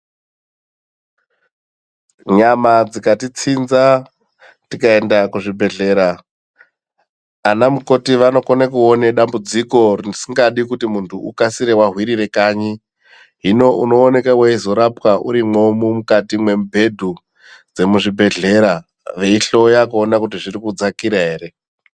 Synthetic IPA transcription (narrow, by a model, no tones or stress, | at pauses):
ɲamad͡zikatit͡sinza | tikae̞ndakuʐibʱe̞ɮe̞ːɾa | namuko̞tiʋano̞konekuoneɗambud͡ziko̞risiŋɡaɗikutimuntʰuukasiɾe̞waɦwiɾire̞kaɲi | ɦino̞ʔuno̞ːne̞kaweizo̞ɾapwaʔuɾimwo̞mumukatimwe̞mbʱe̞dʱu | d͡ze̞muʐibʱe̞ɮe̞ɾa | ʋe̞iɬo̞jakuonakutiʐirikud͡zakiɾaɦe̞ːɾe̞